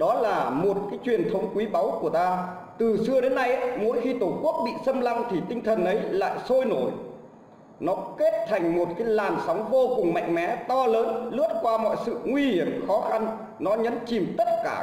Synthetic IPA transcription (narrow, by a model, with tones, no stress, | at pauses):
ɗɔ˨˦laː˨˩mo˨˩t̚kaː˨˦jt͡ɕwi˨˩ənt̪ʰə˨˦wŋ͡mkwi˨˦ɓa˨˦wku˧˩ət̪aː˧ | t̪ɨ˨˩sɨ˧əɗe˨˦nːa˧jʔmo˨˦jxi˧t̪o˧˩ku˦˥ək̚ɓḭ˧˨sə˧mla˧ŋ͡mt̪ʰi˨˩t̪ï˧ŋ̟t̪ʰə˨˩nʔə˨˦jla̰ː˧˨jso˧jno˧˩j | nɔ˨˦ke˦˥t̚t̪ʰa˨˩jŋ̟mo˨˩t̚kaː˨˦jlaː˨˩nsa˨˦wŋ͡mvo˧kʊ˨˩ŋ͡mma̰˧˨jŋ̟mɛ̰˨˦t̪ɔ˧ləː˨˦nlɨ˦˥ət̚kwaː˧mɔ̰˧˨jsɨ̰˧˨ŋwi˧hi˧˩əmxɔ˨˦xa˧n | nɔ˨˦ɲə̰˧˥nt͡ɕi˨˩mt̪ə˦˥t̚kaː˧˩